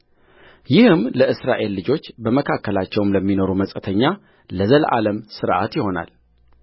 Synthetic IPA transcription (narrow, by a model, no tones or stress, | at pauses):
jɪhɨmləʔɨsɾaʔe̞lːɨd͡ʒo̞t͡ʃːbəməkʰakːəlat͡ʃːɛwmləmːino̞ɾuməsʼət̪ʰəɲːa | ləzəlʔa̰ləmsɨɾʔa̰t̪jɪho̞na̰l